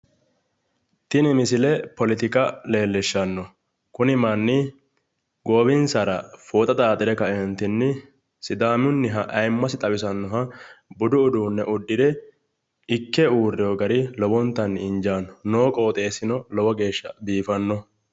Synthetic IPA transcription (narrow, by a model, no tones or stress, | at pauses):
t̪ɪnɪmɪsɪlɛpɔlɪt̪ɪkɐle̞ːlːɛʃːɐnːɔ | kʊnɪmɐnːɪ | ɡoːbɪnsɐɾɐfoːt̪ʼɐt̪ʼaːt̪ʼːɪd̪ɛkɐɛnt̪ɪnːɪ | sɪd̪aːmʊnːɪɦɐʔɐjmːɐsɪt̪ʼɐwɪsɐnːɔɦɐbʊd̪ʊːd̪uːnːɛʔʊd̪ːɪd̪ɛ | ɪkːɛuːrːɪjoːɡɐɾɪlɔbɔnt̪ːɐnːɪɪnd͡ʒaːnɔ̥noːkʼo̞ːt̪ʼe̞ːsɪnɔlɔbɔɡe̞ːʃːɐ̰biːfɐnːɔ